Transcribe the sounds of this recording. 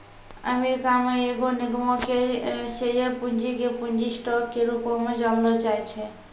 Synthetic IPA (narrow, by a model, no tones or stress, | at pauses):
ə̰miɾkameeɡoniɡmɔkesejəpund͡ʒikepuɲd͡ʒisʈɔkːeɾupɔmed͡ʒamlɔt͡ʃajt͡ʃʰɛ